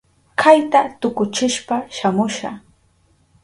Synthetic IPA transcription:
kʰajt̪at̪ʊkʊt͡ʃɪʃpaʃamʊʃa̰

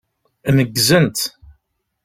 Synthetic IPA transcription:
nəɡːzənt̪

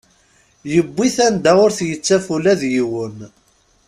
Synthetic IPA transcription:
jəbːiθænd̪æʊɾθjət͡sːæfulæðjiwən

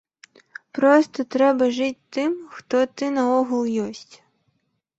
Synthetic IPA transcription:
pɾɔst̪ɔt̪ɾɛbɐʒɪtʲt̪ɪmxt̪ɔt̪ɪnɐɔɦʊlˠjɔsʲtʲ

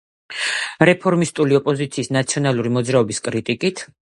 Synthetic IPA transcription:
ɾɛpʰɔɾmist̪ʼuliɔpʼɔzit̪sʰiːsnat̪sʰiɔnalˠuɾimɔd̪zɾaɔbiskʼɾit̪ʼikʼit̪ʰ

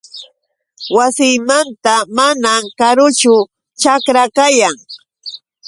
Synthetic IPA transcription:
wasɪjmant̪amanamkaɾʊt͡ʃʊ | t͡ʃakɾakajaŋ

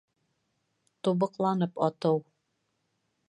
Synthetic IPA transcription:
t̪uβɤ̆qlˠɑnɤpɒt̪ɤw

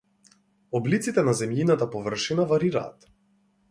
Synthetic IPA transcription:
ɔblit̪sit̪ɛnazɛmjinat̪apɔvr̩ʃinavaɾiɾa̰ːt̪

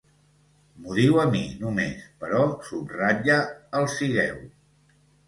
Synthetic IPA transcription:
muðiwəminumḛspəɾɔsubrad͡ʒəəlˠsiɣɛw

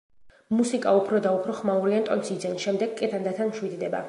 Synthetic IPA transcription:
musikʼaupʰɾɔd̪aupʰɾɔχmauɾiant̪ʼɔnsid̪zɛnʃɛmd̪ɛɡkʼːɛt̪ʰand̪at̪ʰanmʃwid̪d̪ɛba̰

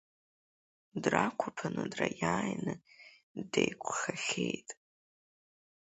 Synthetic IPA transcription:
drakʷʰʊpʰanɨdrajaːjnɨ | dejkʷʰʼχaχʲejtʼ

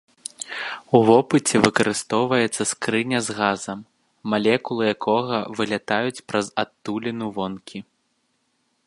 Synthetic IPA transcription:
uvɔpɨt͡sʲɛvɨkɐɾɨst̪ɔwvɐjɛt̪sːɐskɾɨnʲɐzɣazɐmː | alʲɛkulˠɨjakʰɔɣɐvɨlʲat̪ajut͡sʲpɾɐzat̪ːulʲɛnuvɔnkʲi

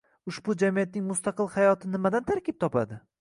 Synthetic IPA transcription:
ʊʃbʊd͡ʒamijat̪̚nɪŋmʊst̪aqɨlˠhajɒt̪ʰɪnɪmad̪ant̪ʰaɾkʲɪp̚t̪ʰɒpa̰d̪ɪ

